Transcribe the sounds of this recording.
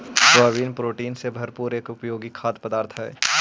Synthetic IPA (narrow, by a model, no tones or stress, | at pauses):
saːʋiːnpɾoːʈiːnsebʱɐɾpuːɾeːkʊpjoːɡikʰaːt̪pɐd̪aːɾt̪ʰɦɛː